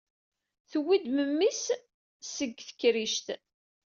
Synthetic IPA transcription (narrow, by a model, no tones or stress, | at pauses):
θwid̪məmːis | səɡθə̥kːɾiʃt̪